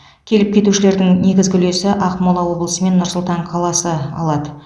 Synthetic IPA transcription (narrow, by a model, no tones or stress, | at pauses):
kʲʰe̞lɪp̚kʲe̞t̪uʃɪle̞ɾd̪ɪŋne̞ɡʲɪzɡʲʏle̞sɪʔɑqmolˠɑwo̞blˠəsəme̞nːʊɾsʊlˠt̪ɑɴqʰɑlˠɑsəɑ̰lˠɑd̪ə